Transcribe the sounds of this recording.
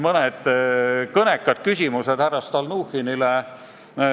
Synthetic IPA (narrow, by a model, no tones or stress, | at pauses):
mɤned̪̥kɤnekːˑɑd̪̥kysʲimused̪̥hæɾɑst̪ɑlnuːhinile